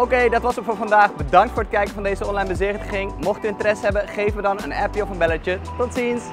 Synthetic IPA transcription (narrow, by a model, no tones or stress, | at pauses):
owkejdɑtʋɑsəfʊːɹvɑndaːχbədɑŋktfʊːɹət̚kɛjkənvɑndejzəɔnlɑjnbəzeːχtəχɪŋmɔχtyɪntərɛsɦɛbənχejvənʋədɑnənɛpjəɔfənbɛləətɔtsins